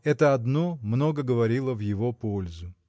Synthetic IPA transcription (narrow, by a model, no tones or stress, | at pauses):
ɛt̪əɐd̪nomno̞ɡəɡəvɐɾʲilˠəvjɪvo̞po̞lʲzʊ